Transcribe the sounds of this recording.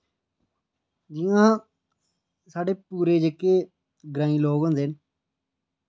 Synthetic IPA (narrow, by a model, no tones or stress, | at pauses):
d͡ʒɪ̃jãː | saːɖeːpuːɾeːd͡ʒekeː | ɡɾãːĩːloːɡond̪en